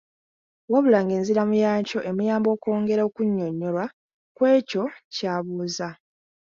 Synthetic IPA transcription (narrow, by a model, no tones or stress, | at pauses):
waβulaŋɡe̞ːnziɾamujaːɲco̞ʔe̞mujaːmbo̞ːko̞ːŋɡe̞ɾaokuɲːo̞ɲːo̞lwa | kwe̞ːco̞caːβuːza